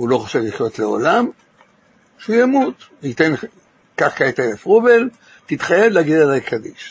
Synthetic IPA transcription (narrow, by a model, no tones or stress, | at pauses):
ulo̞χaʃevliχjo̞t̪leo̞̰lam | ʃujamut̪it̪en | kaχkaet̪elefʁubel | t̪it̪χajevleaɡid̪alajkʰad̪iʃ